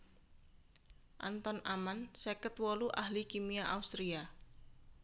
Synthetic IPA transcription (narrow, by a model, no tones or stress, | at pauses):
ʔa̰nt̪ɔnamansekət̪wɔluʔahlikimiaʔaust̪ɾia